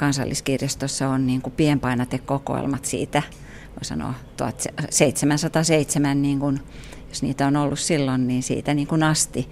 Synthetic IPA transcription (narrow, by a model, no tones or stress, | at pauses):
kɑnsɑ̰lːiskirjɑst̪osːɑonniːŋkupiempɑinɑt̪ekkoko̰ḛlmɑt̪sḭːt̪æ | ʋoisɑ̰no̰ːˑt̪uɑt̪sseit̪semænsɑt̪ɑseit̪semænniːŋkun | josnḭːt̪æonolːussilːonniːnsḭːt̪æniːŋkunɑst̪i